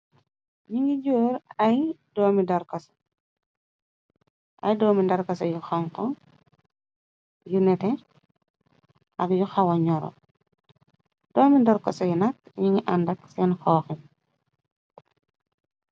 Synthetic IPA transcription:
ɲiŋɡiɟuːɾɐj | dɔːmidɐɾkɐsɐ̥ | ʔɐ̰jdɔːmindɐɾkɐsɐjuxɐŋkɔ | junɛtɛ | ʔɐkjuxɐwɐɲɔɾɔ̰ | d̥ɔːmidɐɾkɐsɐjunɐkɲiŋɡiʔandɐksɛnxɔːxim

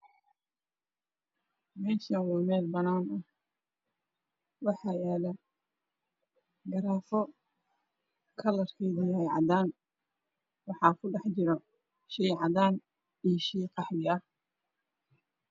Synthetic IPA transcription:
mɛːʃɐnwʊːmɛːd̪bɐnaːnɐh | wɑħɑːjɛːlɛ | ɡɐɾaːfɔ | kʰɐlɐrkʰɛːðɐjɛjʕɑ̰ðaːn | wɑħɑːkʰʊɖɛħt͡ʃɪɾɔ | ʃɛjʕɑðaːn | iʃɛjqɑħdɪɐh

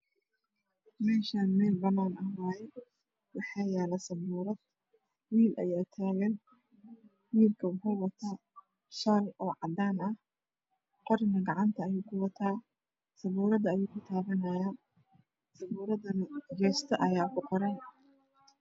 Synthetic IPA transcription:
mɛːʃaːnmɛːlbɐnaːnɐɦaːjɛ | wɑħɑːjɛːlɐsɐβuːɾɐd̪ | wiːlʔɐ̰jaːt̪ʰaːɣɐn | wiːlkʰɐʊkʊwɐt̪ʰaː | ʃɐlɔːʕɑd̪aːnɐh | qɔrnɐɡɑʕɑnt̪ʰɐːjuːkʰʊwɑt̪ʰaː | sɐβuːɾɐd̪ɐːjuːkʰʊt̪ʰaːβɐnɐːjaːn | sɐβuːɾɐðɐnɐd͡ʒɛːst̪ʰɐʔɐjaːkʰʊqɔɾɛn

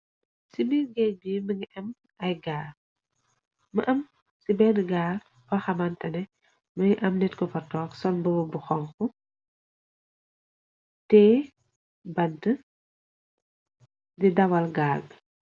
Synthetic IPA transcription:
sibiɡɛjbiːmɐŋiʔɐm | ɐjɡaːɾ | mɐʔɐm | sibɛnɡaːr | fɐxɐmɐntɐnɛ | mɐŋiʔɐmnɛtkɔpɐtɔːksɔnbɔbɐbuxɔŋku | tɛː | bɐntə | didɐwɐlɡaːlɡ

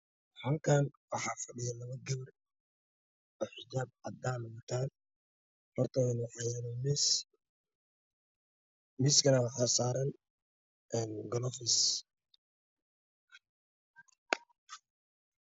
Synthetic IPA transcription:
ħaːŋkʰaːnwɑħɑːfɐɖɪjɐlɐβɐɡɐβɐr | ɔħɪd͡ʒaːb̚ʕɑd̪aːmɐmɐt̪ʰaːn | hɔrt̪ʰɐɛnʊħɑjanɔmɪs | mɪskʰɐnɐwɑħɑːsaːɾɐn | ʔɛːnɡɔlɔfɪs

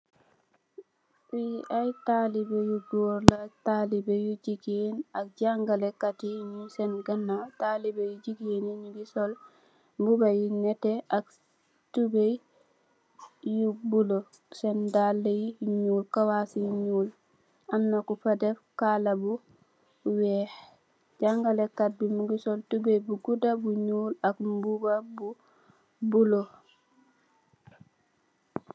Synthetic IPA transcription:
fiʔajtalibɛjuɡɔɾlatalibɛjud͡ʒiɡienak̚d͡ʒaŋɡalɛkatiɲusɛnɡanːatalibɛjud͡ʒiɡijeniɲuɡisɔl | bubajinɛtɛʔak | tubej | jubulɔ | sɛndalːejiɲuːlkawasiɲuːl | amnakufadɛfkalabu | wɛh | ɟaŋɡalɛkːat̚bimuɡisɔltubejbuɡudabuɲuːlakmbubabu | bulo

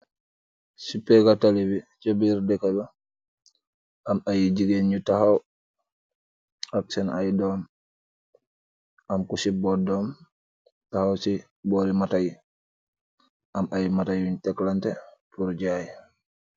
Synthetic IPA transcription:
sipːɛɡatalibit͡ʃobiɾdɛkaba | ʔamajid͡ʒiɡenutahaw | aksɛnajdɔm | ʔamkusibɔdɔm | tahawsi | boɾimataji | ʔamajimatajuntɛklantɛpuɾd͡ʒaji

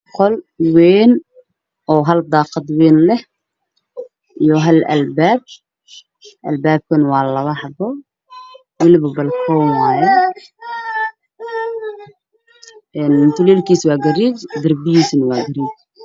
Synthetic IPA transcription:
qʰɔl | wɛːn | ʔɔːɦɐld̪ɑːqɑd̪wɛːnlɛh | ijɔɦɐlɐ̰lbaːb̚ | ʔɐ̰lbaːb̚kʰɐnwɑːlɐβɐhɐbɔ | wɪlbɐbɐlkʰɔːmwɑːjɛ | ɛːnt̪ʰʊlɛːlkʰiːswɑːɡɐɾiːd͡ʒd̪ɐrbɪjiːsnɐwɑːɡɐɾiːt͡ʃ

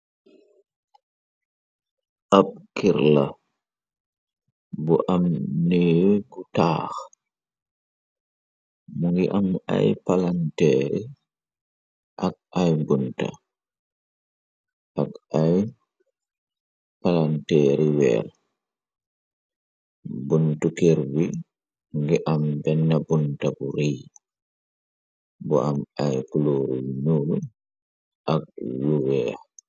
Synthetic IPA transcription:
ʔab̚kiɾla | bɔʔamneɡutaːx | maŋɡiʔama̰jpalantɛːɾi | ʔaɡ̚ajɡunta̰ | ʔakaj | palantɛːɾiwɛ̰ːɾ | buntukeɾwi | ŋɡɛʔambɛnːabuntabuɾiː | bɔ̰ʔamajkuloːɾiwiɲuːɾu | ʔak̚juwɛːa

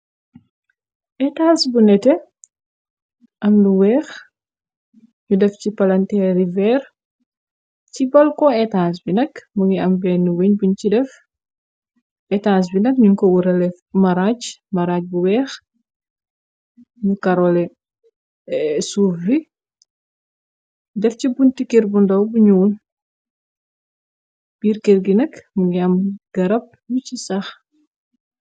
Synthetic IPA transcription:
ʔɛtaːsbunɛtɛ | ʔɐmnuwɛːx | ɲudɛfcipɐlɐntɛːɾivɛːr | cibɔlkɔɛtaːns̬binɐkmuɡiɐmbɛːnːuwiɲbuɲcidɛf | ʔɛtaːns̬binɐk̚ɲuŋkɔwuɾɐlɛ | mɐɾaːt͡ʃmɐɾaːc̚buwɛːx | ɲukɐɾɔlɛ | suːfbi | dɛfcibuntikeɾbundɐwbuɲuːl | b̥iːɾkerɡinɐkmuŋɡiɐmɡ̥ɐɾɐp̚nucisɐx

